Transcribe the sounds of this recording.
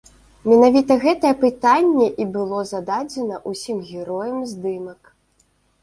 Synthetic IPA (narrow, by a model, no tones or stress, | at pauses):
mʲɛnavʲit̪ɐɣɛt̪ɐjɛpɨt̪anʲːɛʔibɨlˠɔzad̪ad͡zʲɛnɐʔusʲimɣʲɛɾɔjɐmzʲd̪ɨmɐk